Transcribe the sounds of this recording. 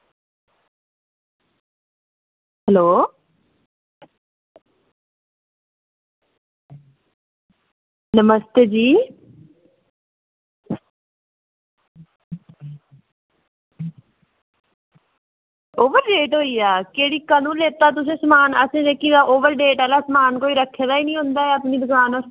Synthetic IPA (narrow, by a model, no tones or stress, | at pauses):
hɛloː | nəməst̪eːd͡ʒiː | oːʋəɾɖeːʈɦoːiaːkeɦɽikɐnũleːt̪at̪̬ʊs̬ẽsmaːnɐsẽd͡ʒeːkiaʔoːʋəɾɖeːʈɐlasmaːnkoːiɾɐkʰẽd̪aːinĩɦõːnd̪aːɦeɐpnid̪ʊɡaːnɔːɾ